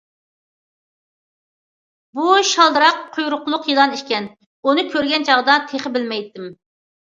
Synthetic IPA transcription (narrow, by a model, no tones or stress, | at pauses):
buʃɑlˠd̪ɨɾɑqʰːojɾʊqlˠʊqjilˠɑniʃkʲɛn | unɨkʲʰøɾɡʲɛnt͡ʃʰɑʁd̪ɑt̪ʰeχɪbɪlmɛjt̪ːɪm